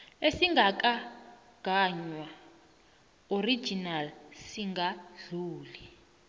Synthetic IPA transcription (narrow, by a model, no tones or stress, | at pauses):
esiŋɡak̬ʼa | ɡ̥ʱaɲwa | ori̥d͡ʒinalsiŋɡaɮuːli